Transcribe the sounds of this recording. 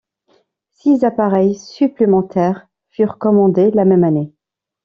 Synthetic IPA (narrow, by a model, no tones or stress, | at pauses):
sizapaʁɛjsyplemɑ̃t̪ʰɛʁ | fyʁkɔmɑ̃d̪elamɛmane